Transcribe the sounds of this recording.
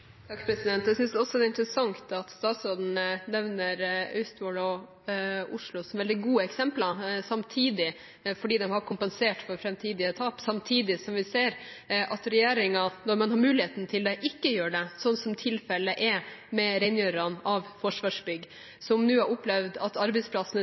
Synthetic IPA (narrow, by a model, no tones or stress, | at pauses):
t̪ʰɑkːpʰɾɛsɪd̪ɛnt̪d̪ɛsʏnsd̪ɔsɔd̪ɛɪnt̪ɾəsɑŋt̪ɑt̪st̪ɑːt̪soːd̪n̩ənɛʋnəɾœst̪ʋɔlɔ | ʊʂlʊsɔmʋɛld̪ɪɡuːəɛksɛmplɑsɑmt̪ʰiːd̪ɪ | fɔɖiːd̪ɛmɦɑɾkʰʊmpɛnseːʈfɔɾfɾɛmt̪ʰiːd̪ɪət̪ʰɑːpsɑmt̪ʰiːd̪ɪsɔmʋɪseːɾʔɑt̪ɾɛjeːɾɪŋɑnɔɾmɑnɦɑɾmʉːlɪheːt̪n̩t̪ʰɪld̪ɛʔɪkːəjøːɖɛsɔnːsɔmt̪ʰɪlfɛləʔɛmɛɾɛɪnjøɾɑnɑʋfɔʂʋɑːʂbʏɡ | sɔmnʉːæɾʊplɛʋd̪ɑt̪ɑɾbɛɪspʰlɑsnə